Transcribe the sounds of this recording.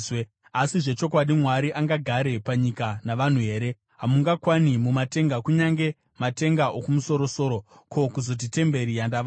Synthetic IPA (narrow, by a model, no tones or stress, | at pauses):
asiʐe̞t͡ʃo̞k̬waɗimwaɾiʔaŋɡaɡʱaɾe̞paɲikanaʋan̤uɦe̞ːɾe̞ | ɦamuŋɡakwanimumate̞ŋɡakuɲaŋɡe̞ | mate̞ŋɡaokumuso̞ɾo̞so̞ːɾo̞ | kʰo̞kuzo̞t̬ite̞mbe̞ɾijandaʋ